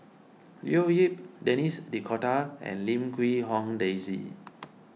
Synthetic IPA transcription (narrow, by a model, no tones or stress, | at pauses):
lḭoɦip̚dɛnisdikʰɔtaɛ̰̃nlĩmkwiɦɔ̃ŋdezḭ